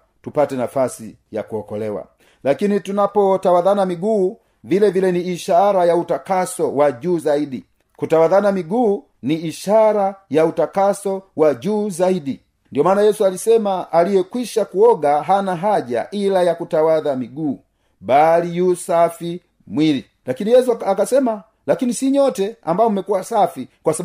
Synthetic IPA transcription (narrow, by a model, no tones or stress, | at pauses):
tupatɛnafasḭ | ja̰kuɔkɔlɛwa̰ | lakinitunapɔtawaðanamiɡuː | vilɛvilɛniːʃaɾajautakasɔwaʄuːzaiɗi | kutawaðanamiɡuː | niːʃaɾajautakasɔwaʄuːzaiɗi | ndijɔmaːnajɛsualisɛmaʔalijɛkwiʃakuɔɡaɦanaɦaʄa̰ʔilajakutawaðamiɡuː | ɓalijusafi | mwili | lakinijɛs̬uakasɛma | lakinisiɲɔtɛa̰mbaɔm̩mɛkuwasafikwasa